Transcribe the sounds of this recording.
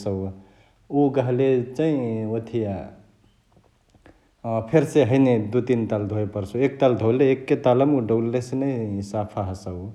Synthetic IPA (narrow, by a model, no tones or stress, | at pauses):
sə | uɡəɦlet͡ʃaĩot̪ʰija | pʰeɾseɦəjned̪ut̪int̪ald̪ʱoepəɾsuek̚t̪ald̪ʱoleːkːet̪aləmuɖəlːesenəisapʰaɦəsəw